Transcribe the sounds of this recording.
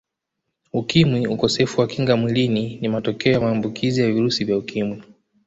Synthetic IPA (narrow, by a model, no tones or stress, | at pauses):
ukimwiukɔsɛfuwakiŋɡamwilininimatɔkɛɔjamaːmbukʰizijaviɾusivjaukimwi